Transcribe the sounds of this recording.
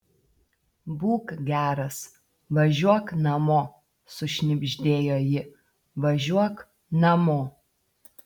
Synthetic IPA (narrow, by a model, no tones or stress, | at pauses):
buːkɡʲæːɾɐs | ʋɐʒʲuɔknɐmoː | sʊʃʲnʲɪbʲʒʲd̪ʲeːjoːjɪ | ʋɐʒʲuɔk | nɐmoː